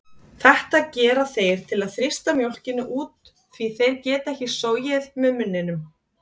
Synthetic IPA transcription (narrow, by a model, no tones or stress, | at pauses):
θɛht̪aðcɛːɾaθejɾ̥t̪ʰɪlaðθɾɪst̪amjowl̥cɪnʏʔuːt̪ | θviθejɾcɛːt̪ɛhcɪsoːwjɪðmɛðmʏnːɪnʏm